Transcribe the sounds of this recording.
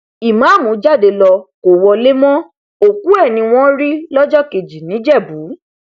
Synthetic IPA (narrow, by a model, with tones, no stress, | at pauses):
i˨mã˨˦˨mũ˨˦d͡ʒa˦˨de˧lɔ˧ko˨wɔ˧le˦mɔ̃˦ | o˨ku˦ɛ˦˨nĩ˧w̃ɔ̃˦ɾi˦lɔ˦d͡ʒɔ˦˨ke˨d͡ʒi˨nĩ˨˦d͡ʒɛ˦˨bu˨˦